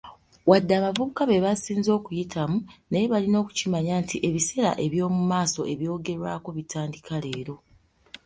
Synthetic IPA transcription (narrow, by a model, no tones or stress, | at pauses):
wadːaːβavuβukaβe̞βasiːnzoːkujitʰamunejeβalino̞ːku̥cimaɲaːntʰiʔe̞βise̞ɾa̰ʔe̞βjo̞ːmumaːso̞ʔe̞βjo̞ːɡe̞ɾwaːko̞βitaːndikʰale̞ːɾo̞